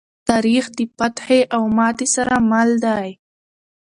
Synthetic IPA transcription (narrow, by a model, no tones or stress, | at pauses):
t̪ɑɾixd̪əpat̪heʔawmɑt̪esaɾamald̪aj